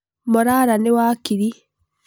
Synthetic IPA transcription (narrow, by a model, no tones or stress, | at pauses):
mɔɾaɾanewaːkiɾi